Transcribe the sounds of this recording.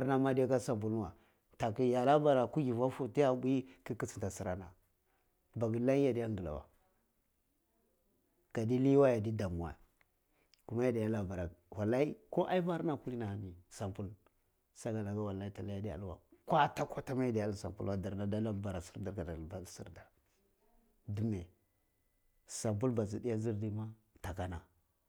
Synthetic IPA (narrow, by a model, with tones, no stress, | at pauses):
a˨ɾna˦ma˦da˦ka˦sa˨mp̬u˦la˨ | ta˨ki˦ja˨la˦ba˨ɾa˨ku˦ɡi˨va˦fu˦ti˦ja˦bu˦i˦ki˦ki˦si̥˨ta˨si˦ɾa˦na˨ | ba˨ɡi˨la˦i˦ja˨di˦ja˦ŋɡə˨la̰˨wa̰˨ | ɡ̥a˨di˦li˦wa˦ja˨di˦da˨mu˨wa̰˨ | ku˨ma˦ja˦da˨ja˦la˨ba˨ɾa˨wa˨la˦i˦ko˦ʔa˦i˦va˦ɾna˨ku˦li˦na˨ha˨ni˨sa˨mpu˦l | sa˦ɡa˨la˨ɡa˦wa˨la˦i˦ta˨la˦a˦di˦a̰˨lwa̰˨kʷa˦ta˦kʷa˦ta˦ma˦ja˦da˨ja˦lsa˨mpu˦a˦da˨ɾna˦da˦la˦˨ba˨ɾa˨si̥˦ɾda˦ɾɡa˨da˨lva˦lsḭ˦ɾda˨ | du˦me˨ | sa˨mp̬u˦lba˨zi˨di˦ja˦zi˦ɾdi˦ma˦ | ta˨ka˦na˨